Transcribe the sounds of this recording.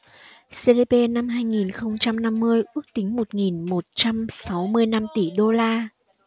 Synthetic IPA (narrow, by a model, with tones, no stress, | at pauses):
se˧le˧pe˧na˧mɦaː˧jŋi˨˩nxə˧wŋ͡mt͡ɕa˧mna˧mːɨ˧əjʔɨ˦˥ək̚t̪ï˨˦ŋ̟mo˨˩t̚ŋi˨˩nmo˨˩t̚t͡ɕa˧msa˨˦wmɨ˧əjna˧mt̪i˧˩ɗo˧laː˧